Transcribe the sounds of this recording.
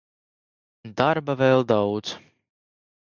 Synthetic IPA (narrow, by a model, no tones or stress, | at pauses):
d̪aɾbavɛlˠd̪awd̪z